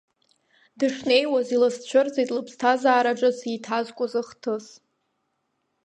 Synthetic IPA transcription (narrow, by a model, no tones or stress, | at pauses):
dɨʂne̞jwazilɨst͡ɕʷʰʊrd͡zejtʼlɨpʰstʰazaːɾaʈ͡ʂʼazitʰazkʷʼʊzɨχtʰɨs